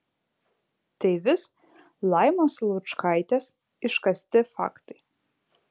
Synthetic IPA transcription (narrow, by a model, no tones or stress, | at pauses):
t̪ɐɪʋʲɪs | lˠɐjmoslˠut͡ʃkajt̪ʲɛs | ɪʃkɐsʲt̪ʲɪfa̰kt̪ɐj